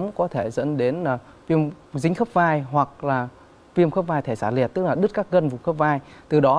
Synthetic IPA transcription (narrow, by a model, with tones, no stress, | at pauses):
mkɔ˨˦t̪ʰe˧˩zə̰˧˥nɗe˨˦nlaː˨˩ | vi˧əmzï˨˦ŋ̟xə˦˥p̚vaː˧jɦwa˨˩k̚laː˨˩ | vi˧əmxə˦˥p̚vaː˧jt̪ʰe˧˩saː˧˩li˨˩ət̚t̪ɨ˦˥k̚laː˨˩ɗɨ˦˥t̚kaː˦˥k̚ɣə˧nvʊ˨˩˨ŋ͡mxə˦˥p̚vaː˧jt̪ɨ˨˩ɗɔ˨˦